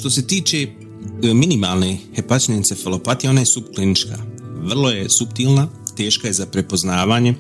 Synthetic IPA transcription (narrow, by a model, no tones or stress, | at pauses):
ʃt̪o̞se̞t̪iːt͡ʃe̞ | minimaːlˠnehepat͡ʃnenit̪sefelˠo̞pat̪ijo̞naje̞supklinit͡ʃka̰ːʋr̩lˠo̞je̞supt̪iːlˠnat̪e̞ːʃkaje̞zapɾe̞po̞znaːʋaːɲe̞